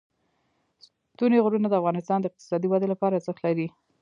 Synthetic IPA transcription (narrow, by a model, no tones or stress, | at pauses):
s | t̪uneɣɾunad̪əafɣɑnɪst̪ɑnd̪əɪq̚t̪ɪ̥sɑd̪iwad̪elapɑɾazəxt̪laɾi